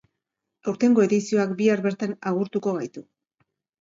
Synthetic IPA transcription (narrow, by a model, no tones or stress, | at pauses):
awɾt̪e̞ŋɡo̞e̞ðisio̞akbiaɾβe̞ɾt̪anaɣuɾt̪uko̞β̞ajt̪u